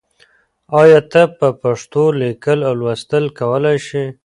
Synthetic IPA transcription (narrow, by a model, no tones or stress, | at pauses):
ɑjɑt̪apəpaʂt̪olekəlawlwast̪əlkawəlajʃi